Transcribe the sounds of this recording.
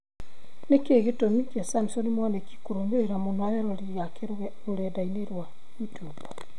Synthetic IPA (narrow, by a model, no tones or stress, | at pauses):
nekeɣetomikesamsonimwaneki̥kuɾomɡeɾeɾamonwajeɾolijake | ɾuɾedaineɾwa | itopa